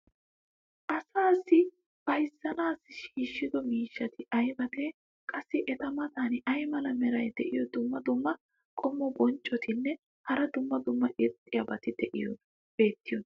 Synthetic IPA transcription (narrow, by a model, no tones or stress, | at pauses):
ʔɐsaːsːɪ | b̥ɐjsːɐnaːsɪʃiːʃːɪd̪ɔmiːʃːɐt̪ɪʔɐjbɐt̪e̞ː | kʼɐsːɪʔɛt̪ɐmɐt̪anʔɐjmɐlɐmɛɾɐjd̪ɛʔɪjɔd̪ʊmːɐd̪ʊmːɐ | kʼɔmːɔbɔnt͡ʃʼːɔt̪ʰɪnːɛ | hɐɾɐd̪ʊmːɐd̪ʊmːɐʔɪt̪ʼːɪjɐbɐt̪ɪd̪ɛʔɪjɔ̰n | b̥e̞ːt̪ːɪjɔn